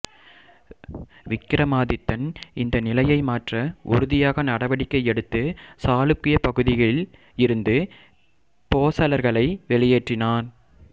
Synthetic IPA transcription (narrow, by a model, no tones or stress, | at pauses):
ʋɪkːɪɾɐmaːðɪt̪ːɐnɪnd̪ɐnɪlɐjɐɪmaːʈrɐʔʊ̰ɾʊðɪjaːɣɐnɐɽɐʋɐɽɪkːɐɪɛɽɯt̪ːɯsaːlɯkːɪjɐpɐɣɯðɪɣɐɭɪl | ɪɾɯnd̪ɯ | poːsɐlɐɾɣɐɭɐɪʋɛɭɪjeːʈrɪnaːn